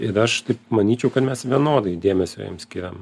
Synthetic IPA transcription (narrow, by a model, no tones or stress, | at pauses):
ɪɾɐʃt̪ɐɪp̚mɐnʲiːt͡ʃʲɛʊkɐt̪mʲɛsʋʲiɛnoːd̪ɐɪd̪ʲeːmʲɛsʲo̰ːjɛ̰msʲkʲiɾʲɛm